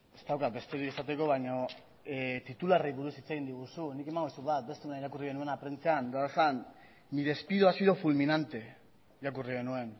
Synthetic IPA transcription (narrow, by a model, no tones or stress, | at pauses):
e̞st̪awkat̪̚be̞st̪eɾiesat̪e̞ko̞β̞ajɲo̞ | t̪it̪ulareβuɾusit͡seɣind̪iɣ̞usunike̞maŋɡosuβat̪̚be̞st̪eonaiɾakuriɣe̞nue̞napɾe̞nt͡seand̪oaasan | miðe̞spiðoasiðo̞fulminant̪e̞ | iɾakuriɣ̞e̞nue̞n